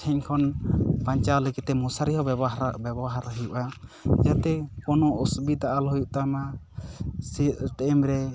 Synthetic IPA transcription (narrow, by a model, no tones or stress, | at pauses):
tʰɛɲkʰɔnpaɲt͡ʃaləɡit̪ɛmusaɾiɦɔɔbɛbɔɦaɾɦujuʔad͡ʒat̪ɛkɔnɔʔɔsbid̪aʔalɦɔjuʔt̪ama | sit̪̚ʈɛmɾɛ